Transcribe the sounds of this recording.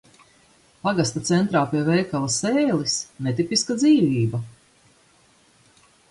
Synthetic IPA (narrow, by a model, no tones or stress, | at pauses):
paɡast̪at̪sɛnt̪ɾaːpiɛvɛjkalˠasɛːlisnɛt̪ipiskad̪ziːviːba